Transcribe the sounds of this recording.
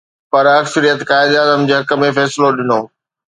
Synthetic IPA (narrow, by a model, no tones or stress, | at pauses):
pɐɾɐksəɾijət̪kaːɪd̪aːzəmd͡ʑeːɦɐkə̆mẽfɛːsɪloɗɪnoː